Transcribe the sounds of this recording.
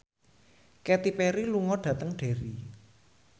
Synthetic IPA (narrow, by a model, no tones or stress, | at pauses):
kɛt̪ipɛɾiluŋɔɖ̥ä̤t̪əŋɖ̥e̤ɾi